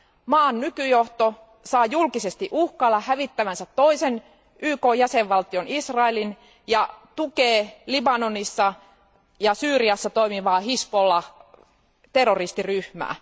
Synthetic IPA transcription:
mɑːnnykyjoht̪o | sɑːjulkisest̪iʔuhkɑlːɑhæʋit̪ːæʋænsæt̪ːo̞isen | yːkoːjæseʋʋɑlt̪ionisrɑelin | jɑt̪ukeːlibɑnonisːɑ | jɑsyːriɑsːɑt̪oimiʋɑːhispolːɑ | t̪erːorist̪iryhmæ̰ː

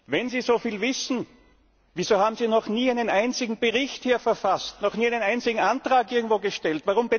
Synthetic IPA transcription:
vɛnziːzofiːlvɪsn̩ | viːzoːhaːbm̩ziːnɔχniːæɪnənʔaɪnt͡sɪɡŋ̩b̥əʁɪçthiːɐfɛɐfastnɔχniːæɪnənaɪnt͡sɪɡŋ̩antʁaːkʔɪɐɡŋ̩tv̥oːɡəʃtɛltvaʁʊmbə

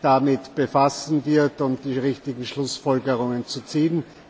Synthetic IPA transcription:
d̥amɪtb̥efasn̩vɪɐtʊnd̥iːʁɪçtɪɡŋ̩ʃlʊsfɔlɡəʁʊŋənt͡sut͡siːn

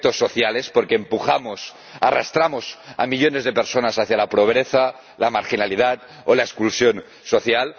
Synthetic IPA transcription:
t̪osːoθjalespoɾkeːmpuxamos | arast̪ɾamosa̰miʎonezðepeɾsonasaθjalapɾoβ̞ɾeθa | lamaɾxinalið̞at̪ | olaeskulsjon | soθjal

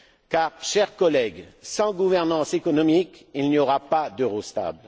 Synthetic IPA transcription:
kaʁʃɛʁkɔlɛɡsɑ̃ɡuvɛʁnɑ̃sekɔnɔmikilniɔʁapad̪əʁost̪a̰bl

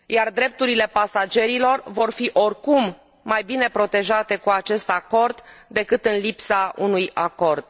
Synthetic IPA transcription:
jard̪ɾe̞p̚t̪uɾile̞pasad͡ʒe̞ɾilo̞rvo̞rfiʔo̞rkumː | ajbine̞pɾo̞t̪e̞ʒat̪e̞kuat͡ʃe̞st̪ako̞rd̪ːe̞kɨt̪ɨnlipsaʔunujako̞rd̪̥̚

